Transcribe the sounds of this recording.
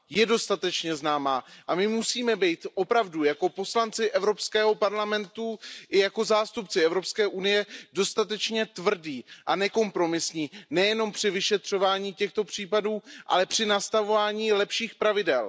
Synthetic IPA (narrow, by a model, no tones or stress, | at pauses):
jɛdo̞st̪at̪ɛt͡ʃɲɛznaːmaːʔamɪmusiːmɛbɛjt̪ʔo̞pɾavdujako̞po̞slant͡sɪʔɛvɾo̞pskɛːɦo̞paɾlamɛnt̪uʔɪjako̞zaːst̪up̚t͡sɪɛvɾo̞pskɛːʔunɪjɛdo̞st̪at̪ɛt͡ʃɲɛt̪vr̩diːʔanɛko̞mpɾo̞mɪsɲiːnɛjɛno̞mpr̝̥ɪvɪʃɛt̪r̝̥o̞vaːɲiːcɛxt̪o̞pr̝̥iːpaduːʔa̰lɛpr̝̥ɪnast̪avo̞vaːɲiːlɛpʃiːxpɾavɪdɛl